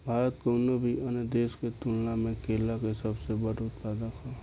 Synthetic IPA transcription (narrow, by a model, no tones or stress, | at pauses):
bʱaːɾət̪koːnobʱiənəd̪eːsket̪ulnamẽkeːlakesəbsebəɽut̪̚pɛːd̪akʰa